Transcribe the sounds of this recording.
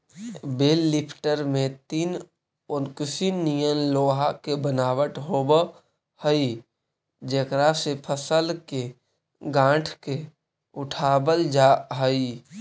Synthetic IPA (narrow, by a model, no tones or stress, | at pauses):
beːlːɪpʰʈəɾmẽt̪iːn | onkʊsinijənloːɦakebənaːwəʈɦoːbə | həi | d͡ʒekɾasepʰəsəlke | ɡãːʈʰke | ʊʈʰaːbəld͡ʒaɦəi